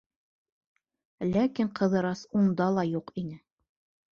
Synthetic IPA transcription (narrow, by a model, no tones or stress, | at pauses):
lækiɴqɤ̆ðɤ̆ɾɑsund̪ɑlˠɑjuqinɘ